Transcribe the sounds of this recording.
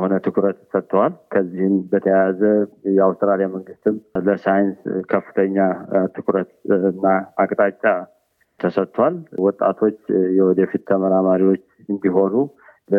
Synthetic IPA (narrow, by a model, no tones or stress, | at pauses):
ho̞nət̪ʰɨkʰuɾət̪sət̪ːwalkʰəzːihɨmbət̪ʰəjaazəjɛawst̪ɾalijaməŋɡɨst̪ʰɨmləsajɪnskʰəfːɨ̥t̪ʰəɲːat̪ʰɨkʰuɾət̪ɨnːaakʼt̪ʼat͡ʃʼːa | t̪ʰəsət̪ʰːwalwɔt̪ʼːa̰t̪ʰo̞t͡ʃːjɛwɔd̪efit̪ʰːəməɾamaɾiwo̞t͡ʃː | ɨnd̪iɦo̞nu | lə